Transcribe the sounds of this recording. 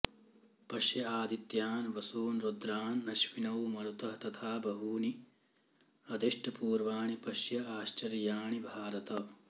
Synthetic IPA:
pɐʃjɐaːd̪it̪jaːnʋɐsuːnɾud̪ɾaːnːɐʃʋinɐwmɐlut̪ɐɦt̪ɐt̪ʰaːbɐɦuːni | ɐd̪iʂʈɐpuːɾʋaːɳipɐʃjɐaːʃt͡ʃɐɾjaːɳibʱaːɾɐt̪ɐ

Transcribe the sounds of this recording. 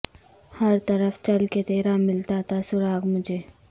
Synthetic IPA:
həɾt̪əɾəfʰt͡ʃɐlket̪eːɾamɪlt̪at̪asʊɾaːɡmʊd͡ʒʱeː

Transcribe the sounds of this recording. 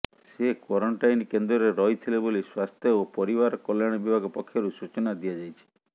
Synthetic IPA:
sekwɔɾɔɳʈajnkend̪ɾɔɾeɾɔɦit̪ʰileboliswast̪ʰjɔopɔɾibaɾɔkɔljaɽ̃ɔbibʱaɡɔpɔkʰːjɔɾusut͡ʃɔnad̪ijad͡ʒajt͡ʃʰi̥

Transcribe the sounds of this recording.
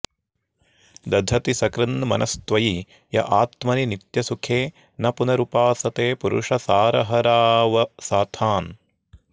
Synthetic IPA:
d̪ɐd̪ʱɐt̪isɐkɾɐnmɐ̰nʔɐst̪ʋɐji | jɐ̰ʔaːt̪mɐninit̪jɐsukʰeː | nɐpunɐɾupaːsɐt̪eːpuɾṵʂɐsaːɾɐɦɐɾaːʋɐsaːt̪ʰaːn

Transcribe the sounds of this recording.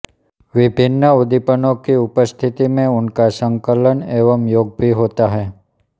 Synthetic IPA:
ʋɪbʱɪnːəud̪ipənokiupəst̪ʰit̪imẽʊnkasə̃ŋkələneʋəmjoɡ̚bʱiɦot̪aɦɛ

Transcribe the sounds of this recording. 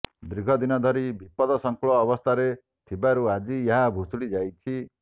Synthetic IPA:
d̪ɾiɡʱɔd̪inɔd̪ʱɔɾibʱipɔd̪ɔsɔŋklɔːβɔst̪ʰaɾe | t̪ʰibaɾuad͡ʒieɦabʱusuɽid͡ʒajt͡ʃʰi

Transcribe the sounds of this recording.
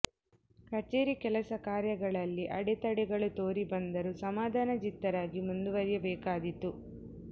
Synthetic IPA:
kɐt͡ʃeːɾikɛlɐsɐkaːɾjɐɡɐɭɐlːiʔɐɽɛt̪ɐɽɛɡɐɭut̪oːɾibɐnd̪ɐɾusɐmaːd̪ʱaːnɐd͡ʒit̪ːɐɾaːɡimund̪uʋɐɾjɐbɛːkaːd̪it̪ːu

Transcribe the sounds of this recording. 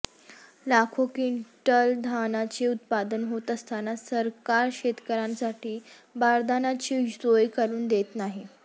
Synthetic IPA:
lakʰokiɳʈəld̪ʱanat͡ɕiut̪pad̪ənɦot̪əst̪ʰanasəɾkaɾɕet̪kəɾãnsaʈʰiː | baɾd̪anat͡ɕiːsojkəɾuːnd̪et̪naɦi

